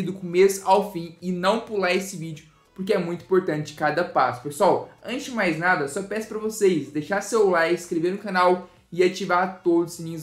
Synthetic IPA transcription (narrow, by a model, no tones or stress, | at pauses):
id̪ʊkũmezawfĩɪnɐ̃w̃pulaɾesɪvid͡ʒʊ | pʊɾkɪɛmũj̃t̪ʊ̃ĩpoɾt̪ɐ̃nt͡ʃɪ̥kad̪ɐpasʊ̥pesuawɐ̃nt͡ʃɪmajznad̪ɐsɔpɛsʊ̥pɾɐvosejsd̪ejʃasewlajskɾeveɾnʊkɐnaw | ɪat͡ʃivaɾt̪od̪ʊsenĩɲʊz